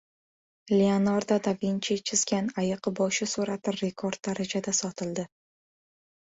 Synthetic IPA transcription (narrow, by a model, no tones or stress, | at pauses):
leanaɾd̪ad̪avint͡ʃʰet͡ʃʰɪzɡʲanajɨqbɒʃɪsuɾat̪ʰɪɾɾe̞kʰoɾd̪̥̚ːaɾad͡ʒad̪asɒt̪ʰɪld̪ɪ